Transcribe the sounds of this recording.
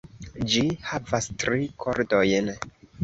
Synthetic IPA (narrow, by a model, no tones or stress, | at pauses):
d͡ʒihavastɾikʰoɾdo̞jn